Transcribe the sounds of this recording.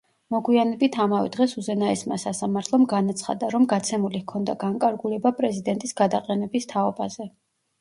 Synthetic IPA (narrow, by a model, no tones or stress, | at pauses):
mɔɡwianɛbit̪ʰamavɛ̰d̪̥ʁɛsuzɛnaɛsma̰sasamaɾt̪ʰlˠɔmɡanat̪sʰχa̰d̪aɾɔmɡat̪sʰɛmulikʰɔnd̪a̰ɡaŋkʼaɾɡulɛbapʼɾɛzid̪ɛnt̪ʼisɡad̪aqʼɛnɛbist̪ʰaɔbazɛ